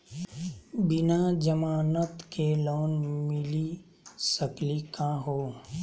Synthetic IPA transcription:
bɪnad͡ʒəmaːnət̪keloːnmɪli | səklikãːɦoː

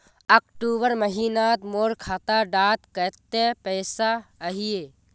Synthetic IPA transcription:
əkʈuːbəɾməɦiːnat̪moːɾkʰaːt̪aɖaːt̪kət̪epəːsaəɦijeː

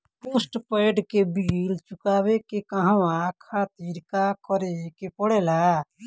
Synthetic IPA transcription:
puːsʈpeːɖkebilt͡ʃʊkaːwekekaɦããkʰaːt̪iːɾkakɔɾekepɔɽeːlaː

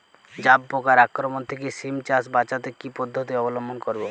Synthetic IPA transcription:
d͡ʑabːokaɾakɾomont̪ʰekesimt͡ʃasbat͡ʃat̪ekipɔd̪ʱːot̪̬iɔbɔlɔmbʱonkoɾbo

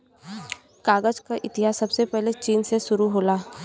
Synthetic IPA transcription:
kaːɡəd͡ʒkaʔɪt̪ɪɦaːsːɐbsepɛɦlet͡ʃiːnseʃʊɾuɦoːlaː

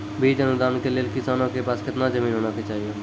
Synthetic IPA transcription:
bʱiːt̪ənʊd̪aːnkeleːlkɪsaːnõkepaːskʰət̪nad͡ʒəmiːnɦoːnaket͡ʃaːɦie

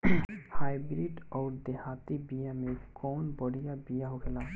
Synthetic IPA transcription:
hajbɾiɖɔːɾd̪eɦat̪ibijamekɔːnbəɽijabijaɦoɡʰela

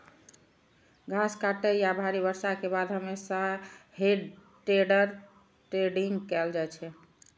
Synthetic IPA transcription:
ɡʱaskaʈejabʱaɾibəɾsakebad̪ʱɦəmesaheɖʈeɖəɾ | ʈɾeɖiŋɡkɛld͡ʒajt͡ʃʰɛ

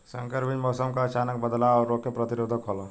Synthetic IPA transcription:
sə̃ŋkəɾbid͡ʒmɔːsəmkaət͡ʃaːnək̚bəd̪laɔːɾːokepɾət̪iɾoːd̪ʱəkɦoːlo

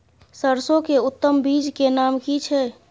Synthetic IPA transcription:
səɾsõkeʊt̪ːəmbid͡ʒkenaːmkit͡ʃʰɛ

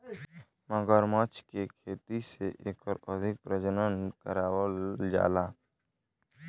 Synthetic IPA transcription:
məɡəɾmət͡ʃkekʰeːt̪iseʔeːkɔːɾəd̪ʱɪk̚pɾəd͡ʒənənkəɾaːwəld͡ʒa̰ːlaː

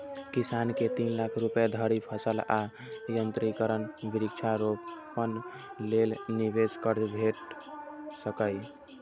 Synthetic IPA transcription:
kisanket̪inlakʰɾupjad̪ʱəɾipʰəsəla | jənt̪ɾikəɾənbiɾik̚t͡ʃʰaɾoppːən | lelnibeskəɾbʱeʈ | səkəj

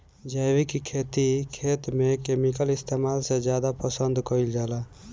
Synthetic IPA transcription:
d͡ʒajwikikʰet̪ikʰet̪mekemikəlist̪ʰemalsed͡ʒjad̪apəsənd̪ʱkəild͡ʒaːla

